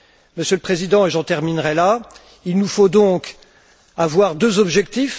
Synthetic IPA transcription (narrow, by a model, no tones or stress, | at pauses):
məsjøləpχezid̪ɑ̃eʒɑ̃t̪ɛʁminʁɛla | ilnufod̪ɔ̃k | avwaʁd̪øzɔbʒɛkt̪if